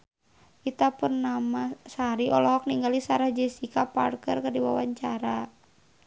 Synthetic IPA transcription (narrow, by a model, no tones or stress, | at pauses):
kit̪apurnamasaɾiɔlɔɦɔk̚niŋɡalisaɾahd͡ʒɛsikapa̰rkə̰rkədiwawaɲt͡ʃaɾa